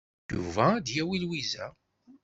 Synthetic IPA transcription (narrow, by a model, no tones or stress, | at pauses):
jṵvæd̪jæwilwizæ̰